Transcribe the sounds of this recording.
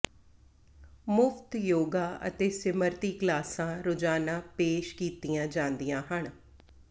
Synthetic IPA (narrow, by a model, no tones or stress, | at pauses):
mʊfʰt̪joːɡaːə̰t̪eːsɪməɾt̪iːklaːsãːɾʊd͡ʒaːnãːpeːʃkiːt̪ijãːd͡ʒãːnd̪ijãːɦəɳ